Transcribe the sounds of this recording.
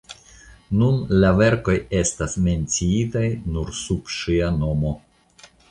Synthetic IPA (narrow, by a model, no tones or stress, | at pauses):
nunlave̞ɾko̞je̞stasme̞nt͡siitajnuɾsub̥ʃiano̞mo̞